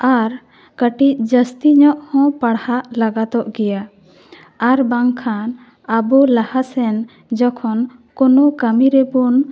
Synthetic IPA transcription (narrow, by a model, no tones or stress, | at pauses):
aɾ | kəʈicd͡ʒəst̪iɲɔʔhɔ̃paɽhaʔlaɡat̪ɔʔɡɛja | aɾbaŋkʰan | əbɔlahasɛn | d͡ʒɔkʰɔnkɔnɔkəmiɾɛbun